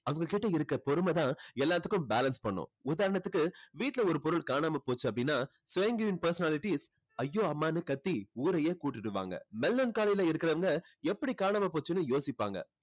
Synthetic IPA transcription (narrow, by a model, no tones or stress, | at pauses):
ɐʋɐŋɡɐkɪʈːɐɪɾɯkːɾɐpɔɾɯmɐt̪ãːɛlːaːt̪ːɯkːɯ̃mbaːlɐnspɐɳːʊ̰̃ːʊðaːɾɐɳɐt̪ːɯkːɯʋiːʈɪlɐɔɾɯpɔɾɯɭkaːɳaːmɐpoːt͡ʃːɯɐp̬ːɐɽɪnːaː | sʋeːŋɡuʋɪnpɐɾsɐnaːlɪʈis | ɐjːoːɐmːaːnɯkɐt̪ːiuːɾɐjeːkuːʈːɪʈːɯʋa̰ːŋɡɐ̰mɛlːɐnkaːlɐjɪlɐ̃ɪɾɯkːɪɾɐʋɐŋɡɐ | ɛpːɐɽikaːɳaːmɐpoːt͡ʃːɯnːɯjoːsɪpːa̰ːŋɡɐ̰